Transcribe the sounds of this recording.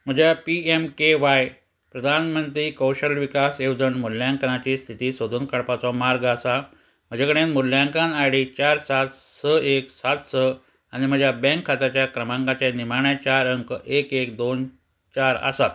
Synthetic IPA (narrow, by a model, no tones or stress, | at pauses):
m̤əd͡ʑʱjapiemkeʋaj | pɾəd̪ʱanmənt̪ɾiːkəwɕəlʋikasewd͡zəɳmuljãŋkənat͡ɕiːst̪ʰit̪iːsəd̪ʱuːnkəɭpat͡sɔmaɾɡəsa | m̤əd͡ʑakəɽẽnmuljãŋkãnajɽit͡ɕaɾsat̪səeksat̪sə | anim̤əd͡ʑʱjabɛ̃ŋkʰːat̪at͡ɕjakɾəmãŋkat͡ɕanim̤aɳjat͡ɕaɾəŋkekek̚d̪on | t͡ɕaɾə̰sat̪̚